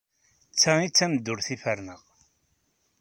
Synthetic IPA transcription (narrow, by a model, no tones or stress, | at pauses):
t͡sːæit͡sːæmd̪ːʊɾθifəɾnəʁ